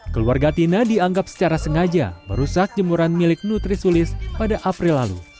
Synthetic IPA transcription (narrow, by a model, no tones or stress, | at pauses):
kəluarɡat̪inadiaŋɡap̚sə̥t͡ʃaɾasəŋad͡ʒa̰bəɾusak̚d͡ʒəmuɾanmilɪk̚nut̪ɾisulɪspadaʔapɾɪlːalṵ